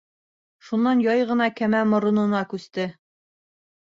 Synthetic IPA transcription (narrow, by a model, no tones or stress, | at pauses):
ʃunːɑnjɑjʁɤ̆nɑkæmæmŏɾŏnɤ̆nɑkʉst̪ɘ